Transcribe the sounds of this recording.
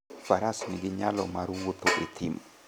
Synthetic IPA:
faɾasniɡiɲalɔmaɾuwut̪oʔit̪ʰim

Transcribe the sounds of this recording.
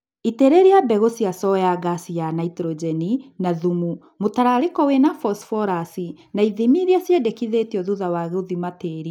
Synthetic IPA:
iteɾeɾiabɛɣosiasɔjaɣasianaitɾod͡ʒɛninaðumu | motaɾaɾekɔwenafɔsfɔɾasi | naiðimiɾiasjɛdekiðetiɔðuðawaɣeoðimateɾi

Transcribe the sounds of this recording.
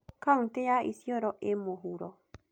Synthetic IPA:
kaŋt̪eaʔḭsiɔɾɔʔemoɦuɾɔ

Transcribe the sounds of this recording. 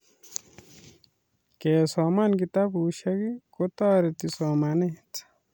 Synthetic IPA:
keːsoːmankit̪abuʃɐɡikot̪aːɾet̪isoːmanet͡s

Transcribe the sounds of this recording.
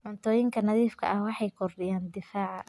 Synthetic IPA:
ʔʊnt̪ʰɔːjɪŋkʰɐnɐðiːfkʰɐ̰ʔɐhwɑħɑjkʰɔrɗɪjaːnd̪ɪfaːʕɑ

